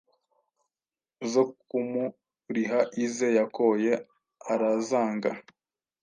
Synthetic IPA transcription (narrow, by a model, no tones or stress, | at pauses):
zokumu | ɾiɦaʔizejakoje | aɾazaːŋɡa